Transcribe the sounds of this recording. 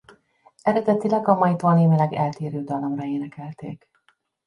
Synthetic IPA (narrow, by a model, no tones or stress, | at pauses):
ɛɾɛd̪ɛt̪ilɛɡɒmɒjt̪oːlneːmilɛɡɛlt̪eːɾøːd̪ɒlomrɒeːnɛkɛlt̪eːk